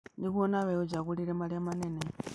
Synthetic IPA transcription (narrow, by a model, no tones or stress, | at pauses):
nikuɔnaβɛud͡ʒakuliɾɛmaɺɛmanɛnɛ